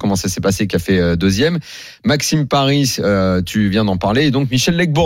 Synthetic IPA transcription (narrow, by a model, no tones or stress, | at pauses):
kɔmɑ̃sasɛpasekʲiafɛød̪øzjɛmː | aksimpaʁisøt̪ʰyvjɛ̃d̪ɑ̃paʁleːd̪ɔ̃kmiʃɛlːɛɡ̚bɔ